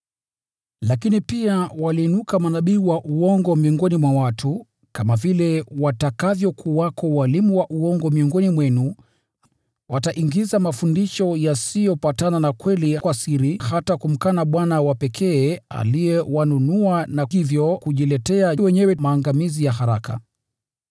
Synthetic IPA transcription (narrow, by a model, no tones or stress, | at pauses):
lakinipiawaliːnukamanaɓiːwaʔuɔŋɡɔmiɔŋɡɔnimwawatʰu | kamavilɛwatakavjɔkʰuwakʰɔwalimuwaʔuɔŋɡɔmiɔŋɡɔnimwɛnu | wataʔiŋɡizamafundiʃɔjasijɔpatananakwɛlikwasiɾihatakum̩kanaɓwanawapɛkʰɛːa̰lijɛwanunuanaivjɔkuʄilɛtɛawɛɲɛwɛmaːŋɡamizijaɦaɾaka̰